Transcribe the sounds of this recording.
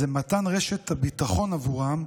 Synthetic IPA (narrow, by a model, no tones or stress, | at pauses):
emat̪anʁeʃet̪abit̪aχo̞navuʁam